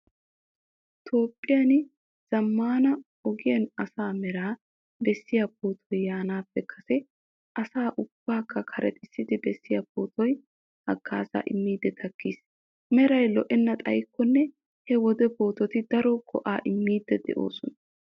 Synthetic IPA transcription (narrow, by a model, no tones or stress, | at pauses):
t̪ʰo̞ːpʼːɪjɐn | z̥ɐmːaːnɐ | ɔɡɪjɐnɐsaːmɛɾaː | b̪ɛsːɪjab̚oːt̪ʰɔjːaːnaːpːɛkʰɐsɛ | ʔɐsaːʔʊb̥ːaːkːɐkʰɐɾɛ̰t̪ʼɪsːɪd̪ɪb̪ɛsːɪjapoːt̪ɔj | hɐɡːa̰ːza̰ːʔɪmːiːd̪ːɛt̪ʰɐkːiːs | mɛɾɐjlɔʔɛnːɐt̪ʼɐ̰jkːɔnːɛ | hɛwɔd̪ɛbo̞ːt̪ɔt̪ɪd̪ɐɾɔɡɔ̰ʔaːʔɪmːiːd̪ːɛd̪ɛ̰ʔo̞̰ːsɔnɐ